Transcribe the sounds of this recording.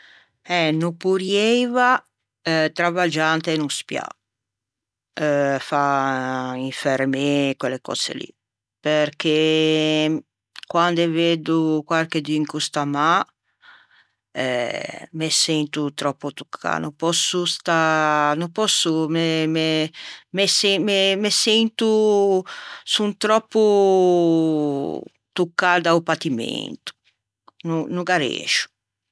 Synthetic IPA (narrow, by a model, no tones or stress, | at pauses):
ɛnupuɾjɛjva | ɛt̪ɾavad͡ʒant̪enuspja̰ | fa | iɱfeɾmekwelːekɔ̰sḛlḭ | perke | kwand̪eved̪ukwalked̪iŋkust̪ama | ɛmesɛnt̪ut̪ɾɔpːut̪u̥kʰːa̰nupɔsːust̪anupɔsːumememesɛmemesɛnt̪u | sunt̪ɾɔpːu | t̪ukːad̪aupat̪imḛnt̪u̥ | nunuɡaɾḛːʃu̥